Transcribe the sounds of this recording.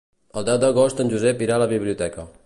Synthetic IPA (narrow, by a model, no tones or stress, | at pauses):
əlˠd̪ɛwd̪əɣost̪ənʲʒuzɛpiɾaləβiβliut̪ɛkə